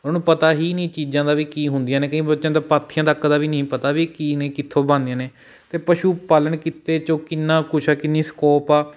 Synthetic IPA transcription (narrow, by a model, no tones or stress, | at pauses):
ʊnũːpət̪aːɦiːnĩːt͡ʃiːd͡ʒãːd̪aːʋiːkiːɦʊnd̪ɪijãːneːkəĩːbət̪ːʃãːd̪aːpaːt̪ʰːɪjãːd̪aːkːd̪aːʋiːnəĩːpət̪aːʋiːkiːnẽːkɪt̪ʰːõːbãːnd̪ijãːneː | t̪eːpəʃuːpaːləɳkɪt̪eːt͡ʃõːkɪnːãːkʊt͡ʃʰaːkɪnːiːskɔːpaː